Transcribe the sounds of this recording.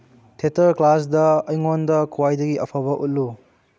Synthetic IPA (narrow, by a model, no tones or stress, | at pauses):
tʰetɐɾklas̬dɐːjŋondɐkuwajdɐɡiʔɐpʰabɐʔut̚lu